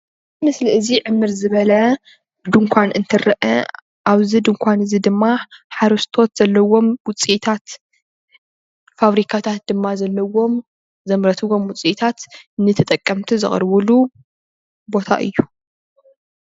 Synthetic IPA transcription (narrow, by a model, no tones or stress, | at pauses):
mɨsliɨziʕɨmːɨɾzɨβɐlɐ | d̪ɨŋkʷʰanʔɨnt̪ʰɨɾɐʔɐ̰ | aβzid̪ɨŋkʷʰanɨzid̪ɨmːaħaɾɐst̪ʰo̞t̪z̥ɐlːɐwo̞mwʊt͡sʼiʔt̪ʰat̪ | faβɾikʰat̪ʰat̪̚d̪ɨmːazɐlːɐwo̞m | zɐmɾɐt̪ʰɨwo̞mwʊt͡sʼit̪ʰat̪nɨt̪ʰɐt̪ʼɐkʼːɐmt̪ʰizɨχʼɾβɨlu | bo̞t̪ʰa̰ʔɨ̰jːu